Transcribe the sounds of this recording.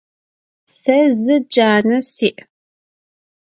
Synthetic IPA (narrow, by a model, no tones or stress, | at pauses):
sɐzɨd͡ʒaːnɐsiːʔ